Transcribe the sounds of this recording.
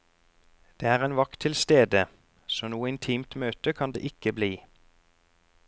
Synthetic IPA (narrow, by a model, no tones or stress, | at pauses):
d̪̥eːæːʁeːnʋɑkt̪ʰɪlst̪eːd̪ə | soːnuːəɪnt̪ʰiːmt̪møːt̪əkʰɑnd̪ḛːʔɪkəbliː